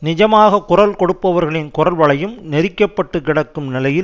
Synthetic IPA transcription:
nɪd͡ʒɐmaːɣɐkʊrɐlkɔɽɯpːɐʋɐɾɣɐɭɪnkʊrɐlʋɐɭɐjɯmnɛɾɪkːɐpːɐʈːɯkɪɽɐkːɯmnɪlɐjɪl

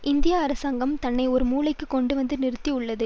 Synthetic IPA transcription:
ʔɪnd̪ɪjaːɾɐsaːŋɡɐmt̪ɐnːɐɪɔɾɯmuːlɐɪkːɯkːɔɳɖɯʋɐnd̪ɯnɪɾɯt̪ːiʊɭːɐðɯ

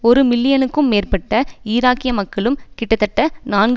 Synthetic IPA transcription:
ɔɾɯmɪlːɪjɐnɯkːɯmːeːrpɐʈːɐiːɾaːkːɪjɐmɐkːɐɭɯmkɪʈːɐt̪ːɐʈːɐnaːnɡ

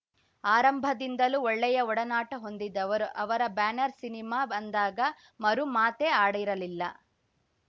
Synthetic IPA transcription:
aːɾɐmbʱɐd̪ind̪ɐluɔɭːɛjɐɔɽɐnaːʈɐɦo̞nd̪id̪ɐɐʋɐɾɐbaːnɐɾsinimaːɐnd̪aːɡɐ | mɐɾumaːt̪eaːɽiɾɐlilːɐ̰

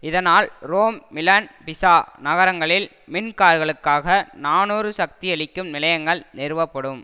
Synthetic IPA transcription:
ɪðɐnaːlɾoːmːɪlɐnpɪsaːnɐɣɐɾɐŋɡɐɭɪl | mɪnkaːɾɣɐɭɯkːaːɣɐnaːnuːɾɯsɐk̚t̪iɛɭɪkːɯmnɪlɐjɐŋɡɐɭnɪɾɯʋɐpːɐɽɯm

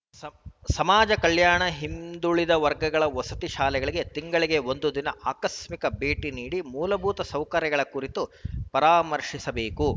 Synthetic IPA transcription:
sɐmaːd͡ʒɐkɐɭjaːɳɐɦimd̪uɭid̪ɐʋɐɾɡɐɡɐɭɐʋɐsɐ̥t̪iʃaːlɛɡɐɭiɡe̞t̪iŋɡɐɭiɡe̞ond̪ud̪inɐʔaːkɐsmikɐbʱeːʈiniːɽimuːlɐbʱuːt̪ɐsɐwkɐɾjɐɡɐɭɐkuɾit̪upɐɾaːmɐɾʂisɐbeːku

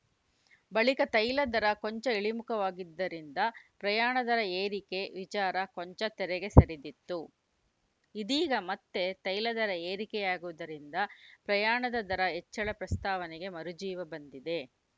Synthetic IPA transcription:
bɐɭikɐt̪ɐjlɐd̪ɐɾɐkoɲt͡ʃɐiɭimukɐʋaːɡid̪ːɐɾind̪ɐpɾɐjaːɳɐd̪ɐɾɐeːɾike̞ʋit͡ʃaːɾɐkoɲt͡ʃɐt̪ɛɾɛɡe̞sɐɾid̪it̪ːu | id̪iːɡɐmɐt̪ːe̞t̪ɐjlɐd̪ɐɾɐeːɾikɛjaːɡuʋd̪ɐɾind̪ɐpɾɐjaːɳɐd̪ɐd̪ɐɾɐɦɛt͡ʃːɐɭɐpɾɐst̪aːʋɐnɛɡe̞mɐɾud͡ʒiːʋɐbɐnd̪id̪e̞

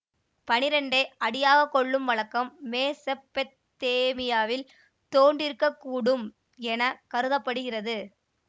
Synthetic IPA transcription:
pɐnɪɾɐɳɖeːɐɽɪjaːɣɐkɔɭːɯmʋɐɭɐkːɐmːeːsɛpːɛ | t̪ːeːmɪjaːʋɪl | t̪oːɳɖɪɾɯkːɐkːuːɽɯm | ɛnɐkɐɾɯðɐpːɐɽɯɣɪrɐðɯ

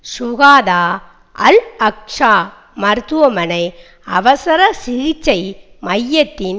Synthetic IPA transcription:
sʊɣaːðaː | ʔɐ̰lɐk̚ʂaː | mɐɾt̪uʋɐmɐnɐɪ | ɐʋɐsɐɾɐsɪɣɪt͡ʃːɐɪ | mɐjːɐt̪ːɪn

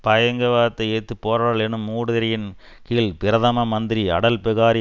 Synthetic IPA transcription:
pɐjɐŋɡɐʋaːɾɐt̪ːɐɪeːt̪ːɯpːoːɾɐɾaːɭɛnːɯmːuːɽɯðɪɾɐjɪn | kiːlpɪɾɐðɐmɐmɐnd̪ɪɾiɐ̰ɽɐlpɪɣaːɾi

